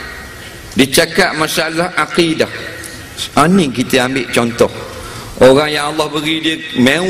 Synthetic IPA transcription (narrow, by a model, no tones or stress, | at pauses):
dit͡ʃakaʔ̚masalahʔaqidah | ʔanikit̪əambɪʔt͡ʃɔnt̪ɔh | ʔoɾaŋjaŋɑlːɑhbəɣidiəmẽ